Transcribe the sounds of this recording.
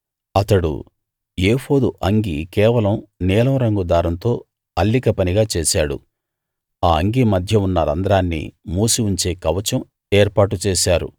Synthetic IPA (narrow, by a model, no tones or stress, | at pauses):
ɐt̪ɐɽṵ | eːho̞ːd̪uʔɐŋɡikɛːʋɐlɐmnɛːlɐmɾɐŋɡud̪aːɾɐnt̪o̞ː | ɐlːikɐpɐniɡaːt͡ʃɛːʃaːɽṵ | aːɐŋɡimɐd̪ʱjɐunːɐɾɐ̰nd̪ɐɾaːnːḭmuːsiuɲt͡ʃe̞ːkɐʋɐt͡ʃɐm | eːɾpaːʈ̬ut͡ʃɛːʃaːɾṵ